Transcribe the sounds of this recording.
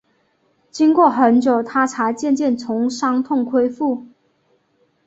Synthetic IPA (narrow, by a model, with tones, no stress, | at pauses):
t͡ɕi˥ŋkwɔ˥˩xə˧˦˥nt͡ɕjo˨˩ʊt̪ʰa˥ʈ͡ʂʰa˧˥t͡ɕjɛ˥˧nt͡ɕjɛ˥˩nt͡sʰʊ˧˥ŋʂɑ˥ŋt̪ʰʊ˥˩ŋkʰwe˥ɪfu˥˩